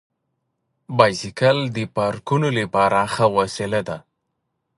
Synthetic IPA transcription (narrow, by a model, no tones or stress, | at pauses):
bɑjsɪkald̪əpɑɾkunoləpɑɾaxawasɪlad̪a